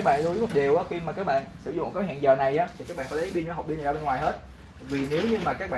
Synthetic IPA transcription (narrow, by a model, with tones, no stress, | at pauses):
a˦˥k̚ɓa̰ː˧˨ɗu˧˦˨ɗe˨˩wʔaː˨˦xi˧maː˨˩kaː˦k̚ɓa̰ː˧˨nsɨ˧˩zʊ̰˧˨ŋ͡mkaː˨˦ha̰ː˧˨nzəː˨˩na˨˩jʔaː˨˦t̪ʰi˨˩kaː˦˥k̚ɓ̰aː˧˨fːɓi˧ɲː˨˧˨ɦa˨˩k͡p̚ɓi˧n˨˩aː˧ɓe˧nŋwaː˨˩jɦe˦˥t̚ | vi˨˩ne˨˦wɲɨ˧maː˨˩kaː˦˥k̚ɓa̰ː˧